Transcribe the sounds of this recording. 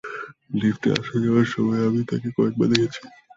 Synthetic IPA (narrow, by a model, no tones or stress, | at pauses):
lifʈ̪ḛa̰ʃad͡ʑawaɾʃɔmɔeamit̪akekɔek̚ba̰ɾd̪ekʰet͡ɕʰi̥